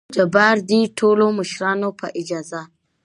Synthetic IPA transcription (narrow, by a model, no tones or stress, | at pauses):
d͡ʒɐbaɾditʰoːlomʊʃɾaːnopaʔɪd͡ʒaza